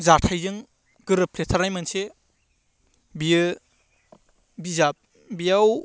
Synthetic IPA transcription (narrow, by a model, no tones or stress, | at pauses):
zatʰajzɯŋ | ɡ̥ɯɾɯpʰletʰaɾajmanse | bijɯ | bizap̚ | bijaw